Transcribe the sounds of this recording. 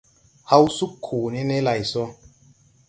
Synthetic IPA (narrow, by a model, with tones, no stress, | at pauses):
ha˦wsu˦kʰːoː˨ne˦ne˦la˨jsɔ˦